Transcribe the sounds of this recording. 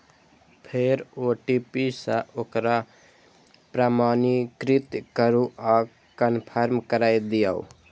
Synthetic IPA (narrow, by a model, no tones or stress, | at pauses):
pʰeɾoʈipisə̃ʔokɾa | pɾaːmanikɾit̪kəɾuʔa | kənpʰəɾmkəɾajd̪ijaṵ